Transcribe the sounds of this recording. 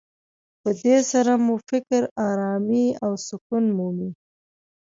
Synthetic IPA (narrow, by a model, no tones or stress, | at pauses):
pəd̪esaɾamufɪkɾɑɾɑmiawsʊkunmumi